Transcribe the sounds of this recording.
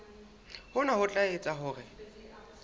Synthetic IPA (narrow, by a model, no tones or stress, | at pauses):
hʊnahʊt͡ɬʼaet͡sʼaɦʊːrɪ